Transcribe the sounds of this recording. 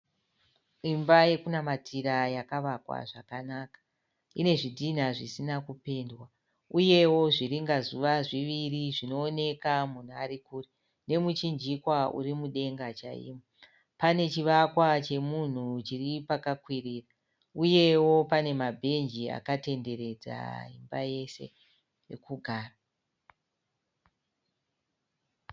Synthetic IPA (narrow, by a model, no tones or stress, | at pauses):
imbaje̞kunamatʰiɾajakaʋakwa̰ʐakanakḁ | ine̞ʐidʱin̤aʐisinakupe̞ndwa | uje̞wo̞ʐiriŋɡazuʋaʐiʋiriʐino̞ːne̞kamun̤ua̰ɾikuːri | ne̞mut͡ʃind͡ʒikwaṵɾimuɗe̞ŋɡat͡ʃa̰ḭːmo | pane̞t͡ʃiʋakwat͡ʃe̞mun̤ut͡ʃiripakakwiriːra | uje̞wo̞pane̞mabʱe̞nd͡ʒia̰kate̞nde̞ɾe̞d͡za̰ɦḭmbaje̞se̞̰ | jekuɡʱaːra